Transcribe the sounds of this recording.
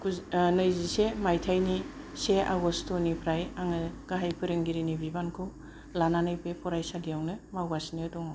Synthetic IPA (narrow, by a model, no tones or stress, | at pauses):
knɯjzisemajtʰajni | seʔa̰ɡɔstʰonipʰɾajaŋɯɡ̥aɦajpʰɯɾɯŋɡiɾinibʱibankʰɯw | lananɯjpepʰɔɾajsadijawnɯmawasniadɔŋa